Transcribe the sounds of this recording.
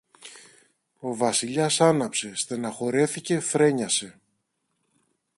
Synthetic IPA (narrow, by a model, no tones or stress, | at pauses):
o̞vɐsiʎɐsɐnɐpse̞st̪enɐxo̞ɾe̞θice̞θɾe̞ɲɐse̞